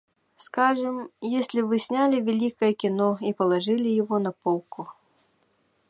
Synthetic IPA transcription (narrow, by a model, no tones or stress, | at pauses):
skaʐɨmjesʲlʲivɨsʲnʲalʲivʲɛlʲikɐjɛkʲinɔipɐlˠaʐɨlʲijaɣɔnɐpɔw̪ˠku